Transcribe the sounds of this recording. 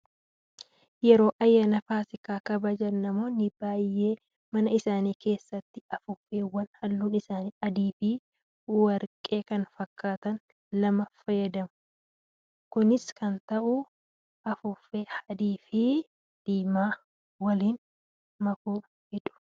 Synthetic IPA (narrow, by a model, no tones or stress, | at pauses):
jɛɾo̞ːʔɐjːanɐfaːsɪkaːkɐbɐd͡ʒɐnːɐmoːnɪbaːjːe̞ː | mɐnɐɪsaːniːke̞ːsːɐt̪ːɪɐfʊfe̞ːwɐnhɐlːuːnɪsaːniːɐd̪iːfiː | wɐɾkʼe̞ːkɐnfɐkːaːt̪ɐn | lɐmɐfɐjɐd̪ɐmʊ | kʊnɪskɐnt̪ɐʔʊ | ʔɐfʊfeːhɐd̪iːfi | d̪̥iːmaː | wɐliːn | mɐku | hɛᶑʊ̥